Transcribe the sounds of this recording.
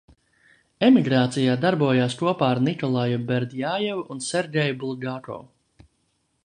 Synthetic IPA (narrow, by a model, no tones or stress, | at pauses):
emiɡɾaːt̪sijaːd̪aɾbuɔjaːskuɔpaːaɾnikɔlˠajubɛɾd̪jaːjɛvunsɛɾɡʲɛjbulˠɡakɔ̰w